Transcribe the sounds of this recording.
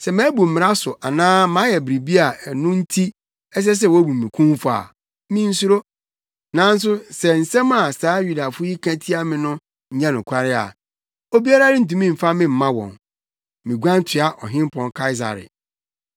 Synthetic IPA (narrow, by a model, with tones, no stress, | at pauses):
sɛ˨mã˦bu˨m̩˨mɪ̃˨a˦sʊ˨ʔa˨nãː˦mã˨˦jɛ˨bɾi˨bi˦a˨nʊ̃˦n̩˦tʰi˦ | ɛ˦s̬ɛ˦s̬ɛ˦˨wɔ˨˦bu˨mĩ˨kʰũ˦mfa̰˨ | mĩ˦n̩˦su˦ɾo˦ | nã˨˦n̩˦s̬ʊ˦sɛ˨n̩˨sɛ̃˦ma˨saː˨˦ju˦da˨fʊ˦ji˦kʰã˦tʰi˦a˦mɪ̃˨nʊ̃˦ | ɲ̩˨ɲã˦nʊ̃˨kʰʷa˦ɾɪ˦a̰˨ | o˦bi˦a˦ɾa˦ɾɪ˦n̩˨t̬ũ˦mĩ˦˨m̩˨fa˦mɪ̃˦m̩˨mã˦wɔ̰̃˨n | mĩ˨ɡʷã˦n˦tʰɪ˨˦a˨ʔɔ˨ɦɪ̃˦m˦pʰɔ̃˨nkʰa˦ɪ˦s̬a̰˨ɾɪ̰˨